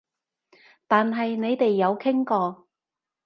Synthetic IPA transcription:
t̪aː˨nɦɐ˨jne˨˧jt̪e˨jːɐ˨˧wkʰɪ˥ŋkɔː˧

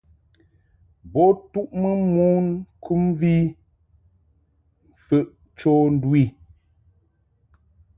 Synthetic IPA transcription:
bɔ˦tu˦ʔmə˦mu˦nkʰu˦mvi˦ | m̩˨fə˦ʔ | t͡ʃo˦n˦dwi˦˨

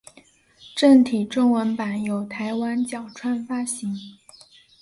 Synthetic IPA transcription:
ʈ͡ʂə˥˩nt̪ʰi˨˩ʈ͡ʂʊ˥ŋwə˧˥npa˨˩njo˨˩ʊt̪ʰa˧˥ɪwa˥nt͡ɕjɑ˨˩ʊʈ͡ʂʰwa˥nfa˥ɕi˧˥ŋ

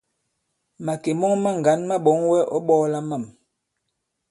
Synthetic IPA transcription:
ma˨ke˨mɔ˦ŋma˦ŋ˨ɡa˨˦nma˦ɓɔ˨˦ŋwɛ˦ʔɔ˦ɓɔː˦la˦ma˦˨m

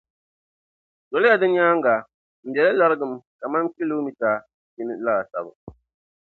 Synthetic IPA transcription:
d̥ɔ˨lɪ˦ja˦dɨ˦ɲ˦ɲaː˦ŋɡa˨ | m̩˨bɛ˨la˦la˦ɾɨ˦ɡɨ˨m˦ka˨ma˦ŋki˦lo˦mi˦ta˨ | ji˦nɨ˨laː˦˨sa̰˨bɨ̰˨

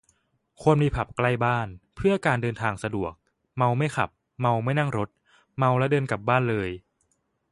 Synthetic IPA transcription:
kʰu˧ənmiː˧pʰa˨˩p̚kla˥˩jbaː˥˩npʰɯ˥˩ɐkaː˧ndɤː˧nt̪ʰaː˧ŋsa˧du˨˩ək̚ | ma˧wma˥˩jxʰa̰˨˩p̚ | ma˧wma˥˩jna˥˩ŋɾo˦˥t̪̚ | ma˧wlɛ˦˥dɤː˧nka˨˩p̚baː˥˩nlɤː˧j

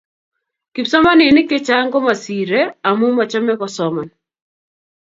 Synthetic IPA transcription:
ki˨psɔ˦ma˦nɪ˨nɪ˦kɪ˦t͡ʃa˦ŋɡɔ˦ma˨si˨ɾe˦a˨mu˦ma˨t͡ʃɔ˦mɛ˦kɔ˨sɔmɔ˨n

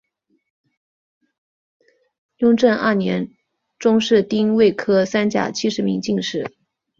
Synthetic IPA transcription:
jʊ˥ŋʈ͡ʂə˥˧nə̰˥˩njɛ˧˥n | ʈ͡ʂʊ˥ŋʂɻ̩˥˩t̪i˥ŋwe˥˩ɪkʰɤ˥sa˥nt͡ɕja̰˨˩t͡ɕʰi˥ʂɻ̩˧˥mi˧˥ŋt͡ɕi˥˧ŋʂɻ̩˥˩

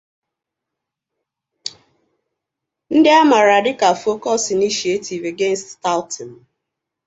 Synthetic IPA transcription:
n̩˦dɪ˦a˦ma˨ɾa˨dɪ˦ka˨fo˦kɔ˦si˨ni˦ʃi˨˦e˦tʰi˨ve˨ɡe˦n̩˨stta˦lti˨m̩˨

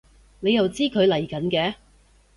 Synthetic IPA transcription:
ne˨˧jɐ˨˩wt͡siː˥kʰɵ˨˧ɥlɐ˨˩jkɐ˨˥nkɛː˨˧

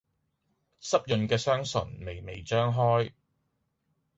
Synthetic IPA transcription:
sɐ˥p̚jɵ˨nkɛː˧sœː˥ŋsɵ̰˨˩nme˨jme˨jt͡ʃœː˥ŋɦɔː˥j

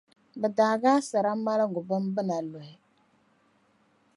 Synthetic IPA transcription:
bɛ˨daː˨ɡaː˦sa˨ɾa˦ma˦la˦˨ɡʊ˨bɨ˦m˦bɨ˦na˨lo˨ɛ˦

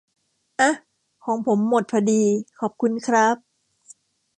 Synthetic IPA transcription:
ʔa˧˩ | kʰɔː˩˦ŋpʰo˩˦mːo˨˩t̪̚pʰa˧diː˧kʰɔː˨˩p̚kʰu˧nkʰɾa˦˥p̚

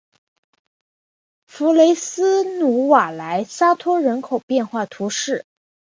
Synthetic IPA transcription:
fu˧˥le˧˥ɪsɹ̩˥nu˧˥wa˨˩la˧˥ɪsa˥t̪ʰɔ˥ɻə˧˥nkʰo˨˩ʊpjɛ˥˧nxwa˥˩t̪ʰu˧˥ʂɻ̩˥˩

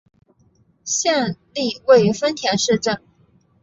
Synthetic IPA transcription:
ɕjɛ˥˧nli˥˧we˥˩ɪy˧˥fə˥nt̪ʰjɛ˧˥nʂɻ̩˥˧ʈ͡ʂə˥˩n

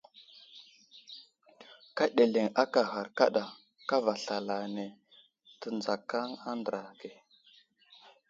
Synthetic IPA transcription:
ka˦ɗe˨le˨ŋa˦ka˨xa˨ɾka̰˦ɗa˨ | ka˦va˨ɬa˨la˨ne˨ | tə˨nd͡za˨ka˦ŋa˦ndə˨ɾa˨ɡe˨

